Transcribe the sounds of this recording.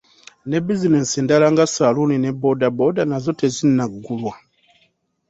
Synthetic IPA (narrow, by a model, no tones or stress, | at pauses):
nebizineseːndalaŋɡasalunine̞bodabodanazo̞tezinːaɡːulwa